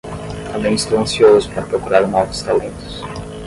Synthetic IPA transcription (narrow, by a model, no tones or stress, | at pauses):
t̪ambẽj̃ɪst̪ɾuɐ̃nsjoʊspaɾɐpɾokuɾaɾnɔvʊst̪alẽnt̪ʊ̥s